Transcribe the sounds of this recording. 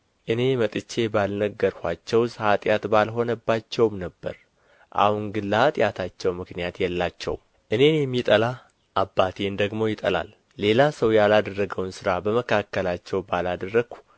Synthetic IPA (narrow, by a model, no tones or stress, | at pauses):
ʔɨne̞mət̪ʼɨt͡ʃːe̞balnəɡːəɾhʷat͡ʃːɛwsʼhat̪ʼjat̪balɦo̞nəbːat͡ʃːɛwmnəbːə̰ɾ | ʔa̰hunɡɨlːat̪ʼjat̪ʰat͡ʃːɛwmɨknijat̪jɛlːat͡ʃːɛ̰w̰m | ʔɨne̞njɛmːit̪ʼəla | ʔabːat̪ʰend̪əɡmo̞jɪt̪ʼə̰la̰lː | e̞lasəwjalad̪ərːəɡəwnsɨɾabəməkʰakːəlat͡ʃːɛwbalad̪ərːəɡ̥u̥